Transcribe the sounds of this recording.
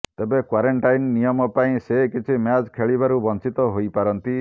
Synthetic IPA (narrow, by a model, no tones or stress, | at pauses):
t̪ebekwaɾeɳʈajnnijɔmɔpaĩsekit͡ʃʰimjad͡ʒkʰeɭibaɾubɔnt͡ʃit̪ɔɦojpaɾɔnt̪i